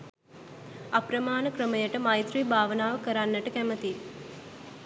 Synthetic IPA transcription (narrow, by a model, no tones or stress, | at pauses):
apɾəmaːnəkɾəməjəʈəmajt̪ɾibʱaːʋənaːʋəkəɾanːəʈəkæmət̪i